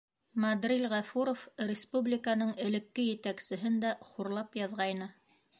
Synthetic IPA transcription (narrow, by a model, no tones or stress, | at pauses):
mad̪rʲilʲʁɑfuɾofrʲɪspublʲɪkanɤɴɘ̆lɘ̆kːɘjɘ̆t̪æksɘ̆ɦɘnd̪æχuɾlˠɑpjɑðʁɑjnɤ